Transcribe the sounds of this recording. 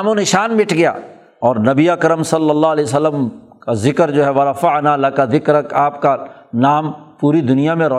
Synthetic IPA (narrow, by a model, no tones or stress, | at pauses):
mõnɪʃaːnmɪʈʰɡɐja̰ː | ɔːɾnɐbiakɾəmsɐlːəlːaːɦɐlɛːs̬əlːəmkazɪkəɾd͡ʒoːɦɛʋɐɾafanalɐkazɪkɾɐkaːp̚kanaːmpuːɾid̪ʊnijamẽɾɐ